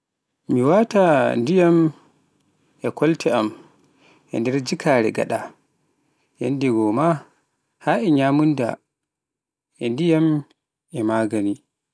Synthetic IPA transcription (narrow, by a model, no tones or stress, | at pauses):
miwatandijam | ʔɛkʰɔltɛam | ʔɛ̰ndɛɾd͡ʒikʰaːɾɛɡa̰ɗa | ja̰ndɛɡɔma | haɛɲaːmunda̰ | ʔɛndijam | ʔɛmaːɡani